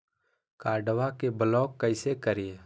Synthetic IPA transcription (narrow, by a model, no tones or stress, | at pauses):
kaːɾɖəʋakebəlɔːkːəɪsekəɾije